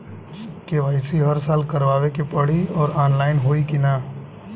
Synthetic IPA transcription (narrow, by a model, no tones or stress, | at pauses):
keʋaːɪsiɦɐɾsaːlkɐɾʋaːʋekepɐɽ̤iɔːɾaːnlaːɪnɦoːikinaː